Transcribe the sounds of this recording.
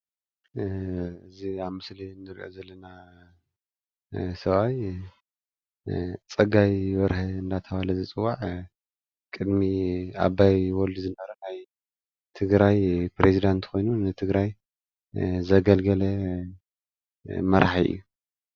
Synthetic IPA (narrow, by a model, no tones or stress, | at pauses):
ɨziaβmɨslinzɨɾʔo̰zɐlːɐna | sɐβaj | t͡sʼɐɡajβɐɾhɐɨnd̪at̪ʰɐβalɐzɨt͡sʼɨwːaʕ | kʼɨd̪mia̰βajwɔlizɨnɐɾɐnaj | t̪ʰɨɡɾajpɾezid̪ant̪kʰo̞jnunɨt̪ʰɨɡɾaj | zɐɡɐlɡɐlɐ | mɐɾaħiʔɨ̰jːu